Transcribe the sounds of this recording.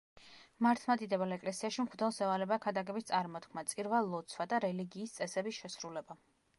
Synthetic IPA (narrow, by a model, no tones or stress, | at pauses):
maɾt̪ʰmad̪id̪ɛbɛlɛkʼlɛsiaʃimχʰd̪ɛlˠsɛvalɛbakʰad̪aɡɛbist̪sʼaɾmɔt̪kʰmat̪sʼiɾvalˠːɔt̪sʰwad̪aɾɛliɡiːst̪sʼɛsɛbisʃɛsɾulɛba